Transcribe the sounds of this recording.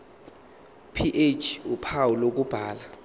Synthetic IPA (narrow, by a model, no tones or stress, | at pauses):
pʰiʔet͡ʃʰupʰawulok̬ub̥ʱaːla